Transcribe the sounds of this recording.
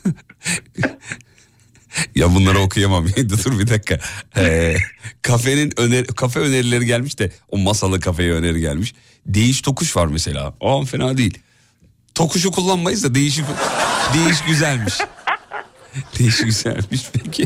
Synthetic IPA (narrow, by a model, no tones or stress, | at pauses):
jabunlˠaɾaokʰujamamjed̪ut̪ʰuɾbit̪ʰakʰːaɛ | kʰafeninøneɾikʰafɛø̞ne̞ɾilʲe̞ɾiɟælʲmiʃd̪ɛomasalˠɯkʰafe̞jɛøne̞ɾiɟæ̰lʲmiʃ | d̪e̞jiʃt̪ʰo̞kʰuʃvaɾmese̞lʲa̰ːoanfenad̪eḭlʲ | t̪ʰo̞kʰuʃ̬ukʰulˠːanmajɯzd̪ad̪e̞jiʃ̬ipd̪e̞jiʃ̬ɟyzælʲmiʃ | d̪̥e̞jiʃiɟyz̥æ̰lʲmiʃbʰecʰɪ